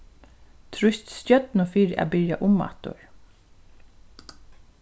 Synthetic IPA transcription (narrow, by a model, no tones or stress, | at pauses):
t̪ʰɾʊst̪sœt̪nʊfiːɾa̰bɪɹja̰ʔʊma̰t̪ʊ̰ɹ